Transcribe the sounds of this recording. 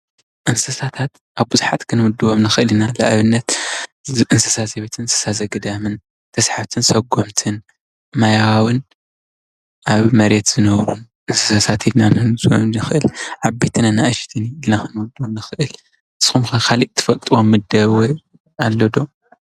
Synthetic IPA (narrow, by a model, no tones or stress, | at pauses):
ʔɨnsɐsat̪ʰat̪ | ʔaβbuzuħat̪kʰɨnwud̪ɨwomnɨxɨʔɨlinalaʔβɨnːɐt̪ | ʔɨnsɐsazɐβet̪ʰɨnsɐ̥sazɐɡɨd̪amɨn | t̪ʰɐsħaft̪ʰɨnsɐɡo̞mt̪ʰɨn | majawawɨn | ʔaβmɐɾet̪z̥ɨnɐwɾun | ʔɨnsɐsasat̪ʰid̪nanɨz̰nɨxɨʔɨlʕabet̪ʰɨnɨnːaʔɨʃt̪ʰiniɨlnakʰɨnwud̪omnɨxɨʔɨl | ɨsxumkʰɐkʰaliʔt̪ʰːɨ̥fɐlt̪ʼɨwomːɨd̪ɐβwɔj | alːod̪o̞